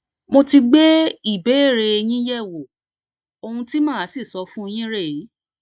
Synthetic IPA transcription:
mo˧ti˧ɡ͡be˦i˦˨be˨˦e˦˨ɾe˧e˧j̃ĩ˦jɛ˦˨wo˨ | o˧hũ˧ti˦mãː˦˨˦si˦˨sɔ˨˦fũ˦˧j̃ĩ˦ɾe˦˨ji˨˦

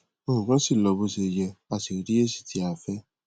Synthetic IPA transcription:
o˧hũ˨kã˦si˦˨lɔ˧bo˧se˧jɛ˧a˨ti˨o˨ɾi˦e˦si̥˦˨tʰi˨˦a˨fɛ˦

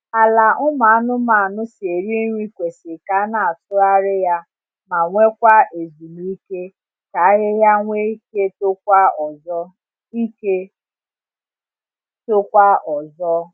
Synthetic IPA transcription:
a˨la˨ʔʊ˦ma˨a˦nʊ˦ma˨a˨nʊ˦se˨ɾi˦e˦ɲʷi˦kʷe˨sɪ˨ka˨a˦na˨a˨tʊ˦a˦ɾɪ˦ja˦ | ma˨ŋʷe˦kʷa˦ʔe˨zu˨mu˦i˦ke˦ | ka˨a˦ɣɪ˦ja˦ŋʷe˦ke˦tʊ˦kʷa˦ɔ˨zɔ˦ | i˦ke˦ | tʊ˦kʷa˦ɔ˨zɔ˦

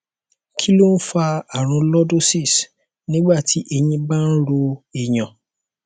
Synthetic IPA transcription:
kʰi˦lo˦n̩˦fa˧a˨ɾ̃ũ˨˧lɔ˦do˦si˦˨s | nĩ˦ɡ͡ba˦˨tʰi˨˦ʔe˧j̃ĩ˧ba˦n̩˦ɾo˧i˨j̃ã˨

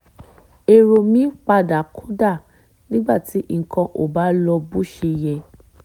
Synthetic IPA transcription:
e˨ɾo˧mĩ˨˦k͡pa˧da˨kʰo˦da˦˨ | nĩ˦ɡ͡ba˦˨ti˨˦ʔi˧ŋ̩˨kã˧ʔo̰˨ba˨˦lɔ˧bu˦ʃe˧jɛ˧

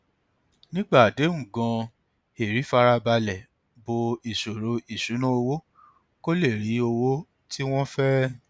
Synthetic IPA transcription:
nĩ˦ɡ͡ba˦˨de˨˦ũ˨ɡã˧ | e˨ɾi˨˦fa˧ɾa˧ba˧lɛ˨ | bo˧i˨ʃo˨ɾo˧i˨ʃu˨˦nũ˦o˧wo˦ | ko˦le˦˨ɾi˨˦o˧wo˦ | ti˦w̃ɔ̃˦fɛ˦

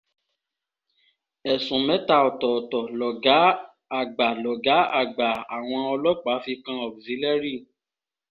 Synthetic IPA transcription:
ɛ˨sũ˨mɛ̃˨˦ta˦˨ɔ˨tɔ˨ɔ˨tɔ˨lɔ˨ɡa˨˦ | a˨ɡ͡ba˨lɔ˨ɡa˨˦a̰˦˨ɡ͡ba˨a˨w̃ɔ̃˧ɔ˧lɔ˦k͡pa˨˦fi˧kã˧ɔ˨bzi˨˦lɛ˦ɾi˦˨

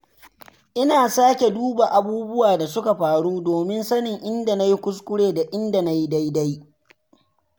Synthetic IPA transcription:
ʔɪ˦naː˨saː˦kʲe˨duː˦ba˨ʔa˨buː˦bʊ˦waː˨da˨sʊ˦ka˨ɸaː˨ɽuː˦doː˨mɪ˦nsɐ˦nɪ˨ŋʔɪ˦nda˨na˦ji˦kʷʊ˦s̬kʷʊ˦ɽeː˨da˨ʔɪ˦nda˨na˦ji˦da˦jda˦j

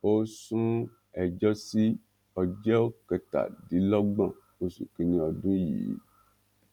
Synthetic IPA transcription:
o˦sũ˦ | ɛ˨d͡ʒɔ˦si˦ | ɔ˧d͡ʒɛ˦o˦kɛ˧ta̰˨di˨˦lɔ˦ɡ͡bã˦˨ | o˧sṵ˨kĩ˨nĩ˧ɔ˧dũ˦jḭː˨˦

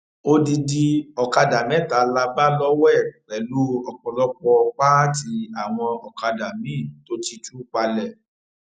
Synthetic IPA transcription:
o˦di˧di˧ɔ˨ka˧da˨mɛ̃˨˦˨ta˨˦la˧ba˦lɔ˦wɛ˦˨k͡pɛ˨˦lu˦ɔ˧k͡pɔ˧lɔ˦k͡pɔ˧k͡pa˦ti˧a˨w̃ɔ̃˧ɔ˨ka˧da˨mĩ˨˦˨to˦ti˦tu˦k͡pa˧lɛ˨

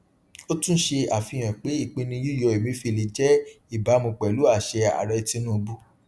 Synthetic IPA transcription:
o˦tũ˦ʃe˧a˨fĩ˧j̃ã˨k͡pe˨˦i˦˨k͡pĩ˧nĩ˧ju˦˨jɔ˧˨e˨mĩ˨˦fi˧˨li˧d͡ʒɛ˦i˦˨ba˨˦mũ˧k͡pɛ˨lu˨˦a˦˨ʃɛ˧a̰˨ɾɛ˧ti˧nũ˦˧bu˦

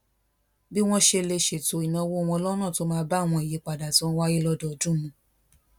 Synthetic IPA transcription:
bi˦w̃ɔ̃˦ʃe˧le˧ʃe˨to˨˦i˨nã˧wo˦˨˧wɔ̃˧ɔ˧lɔ˦nã˦˨to˦mãː˦ba˦˨w̃ɔ̃˧i˨je˨˦k͡pa˨da˨tɔ̃˨˦wa˦ji˦lɔ˦dɔ˦˨d͡ʒũ˦˨nũ˨˦

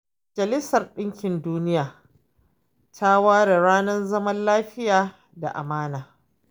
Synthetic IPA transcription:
mɐ˨d͡ʒɐ˨lɪ˦sɐ˨rɗɪ˦ŋkʲɪ˨nduː˦nɪ˦jaː˨ | tʰa˦waː˦ɽa˨ɽaː˦nɐ˦nzɐ˦mɐ˦nlaː˦ɸɪ˦jaː˨ | da̰˨ʔa̰˨maː˦naː˨

